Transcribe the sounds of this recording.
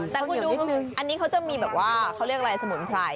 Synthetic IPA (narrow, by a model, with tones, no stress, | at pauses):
t̪ɛː˨˩kʰu˧ndɾuː˦˧ʔa˧nːi˦˥kʰa˦˥wt͡ɕa˨˩miː˧bɛː˨˩p̚waː˥˩kʰa˦˥wɾi˥˩ək̚ɾa˧jsa˧mu˩˦npʰɾaː˧j